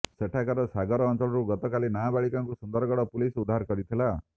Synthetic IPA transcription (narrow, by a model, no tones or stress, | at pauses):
seʈʰakaɾɔsaɡɔɾɔːnt͡ʃɔlɔɾuɡɔt̪ɔkalinabaɭikaŋkusɔnd̪ɔɾɡɔɽɔpulisud̪ʱaɦaɾkɔɾit̪ʰila